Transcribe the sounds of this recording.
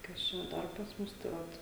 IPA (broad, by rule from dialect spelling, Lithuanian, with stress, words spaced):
ˈkɐs t͡ʃʲɛ ˈdɐr pɐs ˈmʊs tɐɪ ˈʋɐt